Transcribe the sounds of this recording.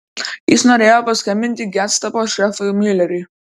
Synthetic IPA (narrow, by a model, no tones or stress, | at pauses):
jɪsnoːɾʲeːjoːpɐsʲkɐmʲɪnʲt̪ʲɪɡʲæt̪st̪ɐpoʃɛfɐmʲɪlʲɛɾʲi